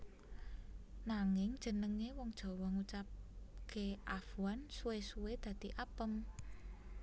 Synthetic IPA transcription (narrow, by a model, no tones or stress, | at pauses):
naŋɪŋd̥ʒ̥ə̤nəŋewɔŋd̥ʒ̥ɔ̤wɔŋut͡ʃap̚keʔafuansuwesuwed̪̥ä̤d̪̥iʔapəm